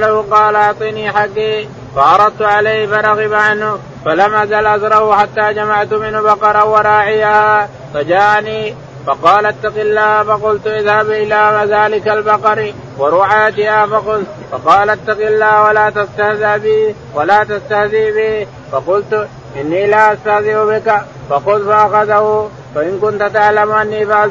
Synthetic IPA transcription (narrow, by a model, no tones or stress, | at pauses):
lahʊqɑːlaaʕt̪ˤiniːħakːiː | fɑʕɑɾˤɑd̪̚t̪ʊʕalajhfɑɾˤɑɣɪbaʕanhʊ | falamʔazalʔazɾˤɑhʊħat̪ːaːd͡ʒamaʕt̪ʊmɪnhʊbɑqɑɾˤɑwɑɾˤɑːʕɪjaːhaː | fad͡ʒaːʔaniː | fɑqɑːlʔat̪ːɑqɪlːaːhfɑqʊlt̪ʊʔɪðhabʔɪlaːmazaːlɪkalbɑqɑɾ | wɐɾuːħaat̪ɪjaːfɐqʊð | fɑqɑːlʔat̪ːaqɪlːaːhwɐlaːt̪ast̪ahðaːbɪː | wɐlaːt̪ast̪ahðiːbɪ | fɐqʊlt̪ʊ | ʔɪnːɪːɪlaːʔast̪ahðɪʕʊbɪka | fɐqʊðfɐʔaxaðahʊ | fɐʔɪnkʊnt̪ʊt̪aʕlɐmʊʔanːiːfa